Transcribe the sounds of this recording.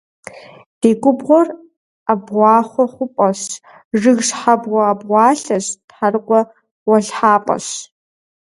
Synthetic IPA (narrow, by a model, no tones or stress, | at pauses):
d̥eːɡʷʼʊbʁʷɔr | abʁʷɑːχʷɔχʷʊpʼɐɕ | ʐɨɣʂħabʁʷɔabʁʷɑːɬɐɕtħarqʷʼɔ | wɐɬħaːpʼɐ̰ɕ